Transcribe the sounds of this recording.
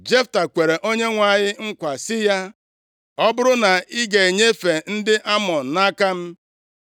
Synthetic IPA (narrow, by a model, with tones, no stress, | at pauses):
d͡ʒe˦fta˨kʷe˨ɾe˨ʔo˦ɲe˦ŋʷa˨ɲɪ˦ŋ̩˦kʷa˨sɪ˦ja˦ | ɔ˦bʊ˦ɾʊ˦na˨i˦ɡe˨e˨ɲe˦fe˨n̩˦dɪ˦ʔa˦mɔ˨n̩˨na˦ka˦m̩˦